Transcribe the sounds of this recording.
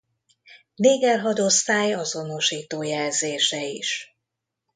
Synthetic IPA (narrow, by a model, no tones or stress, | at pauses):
neːɡɛlɦɒd̪o̞st̪aːjɒzo̞no̞ʃiːt̪oːjɛlzeːʃɛiʃ